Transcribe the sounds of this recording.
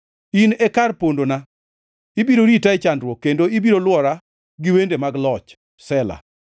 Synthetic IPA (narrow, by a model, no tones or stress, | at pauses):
inɛkarpondona | ibiɾoɾitaɛt͡ʃandɾwɔkːendoibiɾolwɔɾa | ɡɪwendemaɡlɔt͡ʃ | sɛla̰